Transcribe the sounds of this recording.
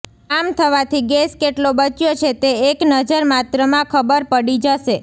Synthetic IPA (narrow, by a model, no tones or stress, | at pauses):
amt̪ʰəʋat̪ʰiɡeskeʈlobət͡ʃjot͡ʃʰet̪eeknəd͡ʒəɾmat̪ɾəmãkʰəbəɾpəɽid͡ʒəʃe